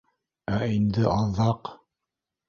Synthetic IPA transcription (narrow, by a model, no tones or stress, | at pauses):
æind̪ɘʔɑððɑq